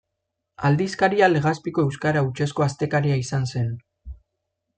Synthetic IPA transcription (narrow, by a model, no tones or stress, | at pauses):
ald̪iskaɾiale̞ɣ̞aspiko̞e̞wskaɾaut͡ʃe̞sko̞ast̪e̞kaɾiaisanse̞n